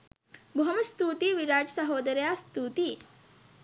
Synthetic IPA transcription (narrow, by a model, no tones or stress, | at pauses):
bʱuɦɐmɐst̪uːt̪iʋiɾaːd͡ʒɐsɐɦoːd̪ɐɾjaːst̪uːt̪i